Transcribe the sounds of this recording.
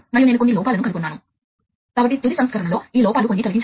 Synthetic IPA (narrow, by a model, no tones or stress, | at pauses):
mɐjune̞ːnukonːilɔːpaːlɐnukɐlukunːaːnu | kaːbɐʈ̬ːit̪ud̪isɐmskaːɾɐɳɐlo̞ːiːlɔːpaːlukonːit̪ɐliɡiɲt͡ʃ